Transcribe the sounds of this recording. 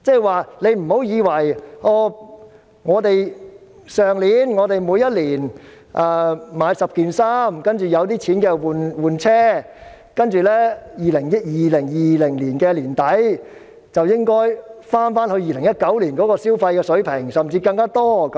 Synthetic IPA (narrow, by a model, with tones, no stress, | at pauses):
t͡sɛ˥˩waː˨le˨˧jm̩˨˩ho˨˥wjiː˨˧wɐ˨˩jʔɔː˧ | ŋɔː˨˧t̪e˨j | sœː˨ŋliː˨˧nŋɔː˨˧t̪e˨jmuː˨˧jɐ˥t̚liː˨˩n | ʔɛː˨˧maː˨˧jsɐ˨p̚kiː˨˩nsaː˥mkɐ˥nt͡ʃyː˨˩jɐ˨˧wt̪iː˥t͡sʰiː˨˥nkɛː˧wuː˨nwuː˨˩nt͡sʰɛː˥ | kɐ˥nt͡ʃyː˨lɛː˥jiː˨˩lɪ˨˩ŋjɐ˥t̚jiː˨lɪ˨˩ŋjiː˨lɪ˨˩ŋliː˨˩nkɛː˧liː˨˩nt̪ɐ˨˥j | t͡sɐ˨wjɪ˥ŋkɔː˥jfaː˥nfaː˥nhɵ˧ɥjiː˨lɪ˨˩ŋjɐ˥t̚kɐ˨˥wliː˨˩nkɔː˨˥kɔː˧siː˥wfɐ˧jkɛː˧sɵ˨˥ɥpʰɪ˨˩ŋsɐ˨˩mt͡siː˧kɐ˧ŋkaː˥t̪ɔː˥k